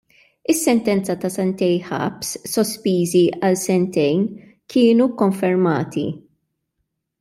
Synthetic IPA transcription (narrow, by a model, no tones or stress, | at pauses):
ɪsːɛnt̪ɛnt͡sɐt̪ɐsɛnt̪ɛjħɐ̰psːɔspiːziɐlsɛnt̪ɛjn | kʰɪːnukɔɱfɛɾmɐ̰ːt̪ḭ